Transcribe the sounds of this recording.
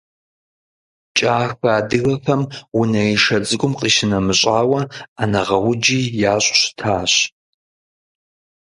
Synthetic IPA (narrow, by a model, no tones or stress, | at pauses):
t͡ʃʼaːxbaːdɨɣɐfɐmwʊnɐiʃɐt͡sʼɨkʷʼʊmqʼiːʃɪnɐmɨɕʼaːwɐanɐʁɐwʊd͡ʒiːjaːɕʼɕtʰaːɕ